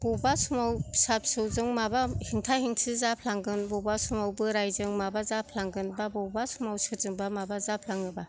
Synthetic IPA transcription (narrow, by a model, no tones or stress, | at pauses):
b̥ɔbasumawsap̚sɯwzɯŋmabahiŋtʰahiŋsʰɯzapʰlaŋɡɯnbɔbasumawbɯɾajzɯŋmabazapʰlaŋɡɯnbabɔbasumawsʰɯzɯŋbamabazapʰlaŋɯba